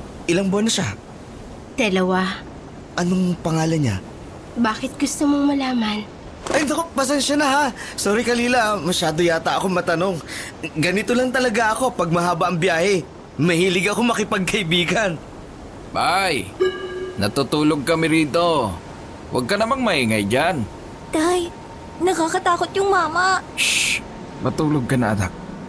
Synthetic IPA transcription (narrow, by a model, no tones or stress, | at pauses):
ʔɪlaŋboɐnɐʃa | d̪̥ɛlɐwa | ʔɐno̞ŋpɐŋaːlɐnɲa̰ | baːkɪt̪̚ɡʊst̪omomɐlaːmɐn | ʔɐjnd̪okopɐs̬ɛnʃɐnɐɦasoːɾikɐliːlamɐʃaːd̪ojaːt̪ɐʔɐko̞mɐt̪ɐno̞ŋ | ɡɐnɪt̪olɐŋt̪ɐlɐɡaʔɐko̞pɐɡ̚mɐɦaːbɐʔɐŋbjaːhɛ | mɐhiːlɪɡɐko̞mɐkɪpɐɡ̚kɐʔɪbiːkɐn | baj | nɐ̰t̪ut̪uːloɡ̚kɐmɪɾiːt̪o̞ | wʔɐ̰ɡ̚kɐnɐmaŋmɐhiːŋɐ̰jd͡ʒan | t̪aj | nɐkakɐt̪aːkot̪jʊŋmaːmɐ | pɐt̪uːloɡ̚kɐnɐ̰ʔɐ̰na̰k̚